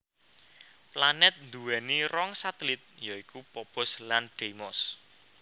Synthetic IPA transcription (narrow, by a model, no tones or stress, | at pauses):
planɛt̪̚nd̪uwɛniɾɔŋsat̪lit̪̚jaikupɔpʊslanɖ̥emɔs